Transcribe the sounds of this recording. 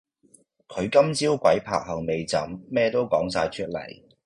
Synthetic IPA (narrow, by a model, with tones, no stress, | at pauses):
kʰɵ˨˧ɥkɐ˥mt͡siː˥wkʷɐ˨˥jpʰa̰ː˨k̚hɐ˨˩ŋme˨jt͡sɐ̰˨˥mːɛː˥t̪o˥wkɔː˨˥ŋsaː˧jt͡ʃʰɵ˥t̚lɐ̰˨˩j